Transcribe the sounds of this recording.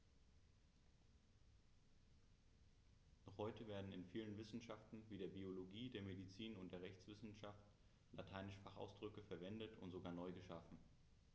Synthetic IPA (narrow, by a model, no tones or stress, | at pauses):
nɔχhɔʏtəveːɐdn̩ɪnfiːlənvɪsn̩ʃaftn̩viːdeːɐbioloɡiːdeːɐmedit͡siːnʊnt̚d̥eːɐʁɛçt͡sv̥ɪsn̩ʃaft | latʰaɪnɪʃfaχʔa̰ʊsd̥ʁʏkəfɛɐvɛndətʰʊntz̥oɡaːɐnɔʏɡəʃafn̩